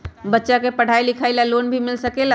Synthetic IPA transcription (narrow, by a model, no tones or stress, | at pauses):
bətːʃakepəɽ̤ʱailikʰalalonbʱimilsəkela